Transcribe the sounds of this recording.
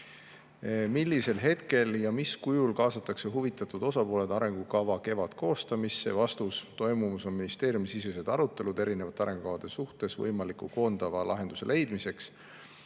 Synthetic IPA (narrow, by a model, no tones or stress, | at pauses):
milːise̞lɦe̞t̪ke̞ljɑmiskujulkɑːsɑt̪ːˑɑkse̞ɦuvit̪ːˑɑt̪ud̪̥o̞sɑpo̞ːle̞d̪̥ɑɾe̞ŋɡ̥ukɑvɑke̞vɑd̪̥ko̞ːst̪ɑmisːe̞̰vɑst̪ust̪o̞jmumuso̞nminist̪e̞ːɾjumisisese̞d̪̥ɑɾut̪ːˑe̞lud̪e̞ɾine̞vɑt̪ːɑɾe̞ŋɡ̥ukɑvɑd̪̥e̞suht̪e̞svɤ̰jmɑlikːˑuko̞ːnd̪̥ɑvɑlʔɑɦe̞nd̪̥u̥se̞̰lʔe̞jd̪̥mise̞ks